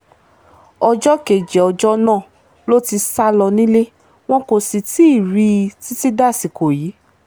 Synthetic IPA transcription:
ɔ˧d͡ʒɔ˦ke˨d͡ʒɛ˨ɔ˧d͡ʒɔ˦nãː˦˨ | lo˦ti˧sa˦lɔ˧nĩ˦le˦ | w̃ɔ̃˦ko˧si˧ti˦i˦˨ɾi˧ti˦ti˦da˦˨si˨ko˨jiː˨˦

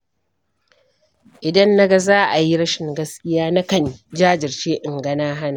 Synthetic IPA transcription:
ʔɪ˨dɐ˦nːa˦ɡa˦zaː˦ʔa˨ji˦ɽɐ˦ʃɪ˨ŋɡɐ˦skʲɪ˦jaː˦na˦kɐ˦˨nd͡ʒaː˦d͡ʒɪ˨rt͡ʃeː˦ʔɪ˨ŋɡɐ˦naː˦ɦa˦naː˨

